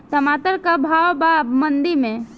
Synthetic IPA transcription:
t̪ɐmaːt̪əɾkabʱaːʋbabmə̃nd̪imẽ

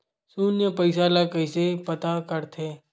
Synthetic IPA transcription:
suːnjəpɐɪsalakəɪsepɐt̪akəɾt̪ʰeː

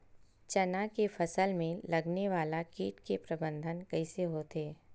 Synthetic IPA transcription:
t͡ʃɐnakefɐsəlmẽlɐɡneʋaːlakiːʈkepɾɐbə̃nd̪ʱənkɐiseɦot̪ʰeː

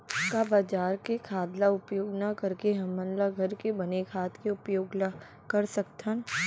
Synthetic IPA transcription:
kabaːd͡ʒaːɾkekʰaːd̪laʊpjoːɡnakɐɾkeɦɐmːənlaɡʱɐɾkebɐnekʰaːt̪keʊpjoːɡa | kɐɾsɐkt̪ʰən

